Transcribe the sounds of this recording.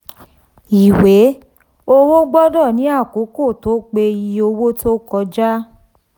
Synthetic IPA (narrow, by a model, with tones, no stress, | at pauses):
i˨we˨˦ | o˧wo˦ɡ͡bɔ˦dɔ˦˨nĩ˨˦a˦˨ko˨˦ko˦˨to˦k͡pe˧ji˧o˧wo˦to˦kɔ˧d͡ʒa˦